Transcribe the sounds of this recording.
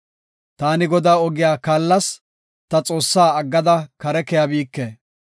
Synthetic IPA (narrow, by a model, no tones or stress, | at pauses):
t̪aːnɪɡɔd̪aːɔɡɪjaːkaːlːɐs | t̪ɐt͡sʼo̞ːsːaːɐɡːɐd̪ɐkɐɾɛkɛjɐbiːkːe